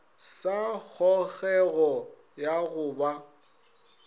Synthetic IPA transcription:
sak͡xʰɔɣɛɣɔ | jaɣʊːba

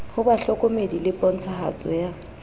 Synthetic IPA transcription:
hʊbaɬɔkʼʊmedilɪpʼɔn̩t͡sʰaha̰t͡sʼɔ̰ja

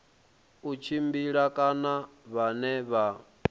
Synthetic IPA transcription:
ut͡ʃʰimbiɺakʼanaβanɛβa

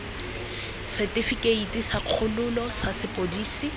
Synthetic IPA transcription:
sɛtʼifikʼeitʼisaq͡χʰʊlʊlɔsasɪpʼodiːsi

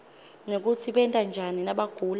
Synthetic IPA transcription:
nok̬utʰiɓɛntʼand͡ʒʱaninaɓaɡ̥ʱuːl

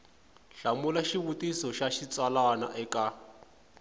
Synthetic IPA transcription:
ɬamulaʃiβutisɔʃaʃit͡swalana̰ʔɛka

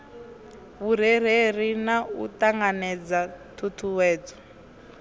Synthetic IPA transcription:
βuɾ̤eɾ̤eɾinaṵtaŋɡanɛd͡zatʰutʰuwɛːd͡zɔ̥

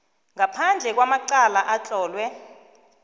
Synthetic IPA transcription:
ŋapʰand͡ɮʱɛk̬wamaǀalaʔat͡ɬʼɔːlwɛ

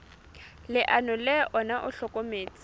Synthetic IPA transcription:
lɪʔanʊlɛʔɔnaʔʊɬɔkʼomeːt͡sʼɪ̥

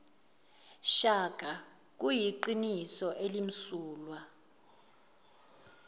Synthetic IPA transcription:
ʃaɡ̥ʱa | k̬ujiǃinisɔʔelim̩suːlwa

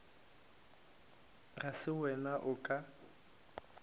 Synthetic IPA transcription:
ɣasɪwɛnaʔʊkʼa

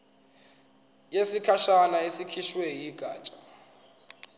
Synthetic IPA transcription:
jesikʰaʃanaesikʰiʃwɛjiɡ̥ʱaːt͡ʃʼḁ

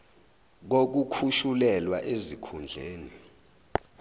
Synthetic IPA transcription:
k̬ok̬ukʰuʃulɛlwaʔezikʰund͡ɮʱeːni

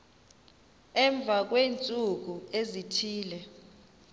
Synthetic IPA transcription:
ɛɱb̪vʱak̬weːnt͡sʼuk̬uezitʰiːlɛ

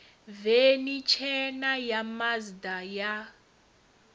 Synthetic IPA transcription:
venit͡ʃʰɛnajamazdaja

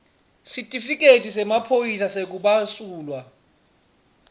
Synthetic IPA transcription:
sitʼifik̬ʼetʰʼisɛmapʰojis̬asek̬uɓasuːlwa

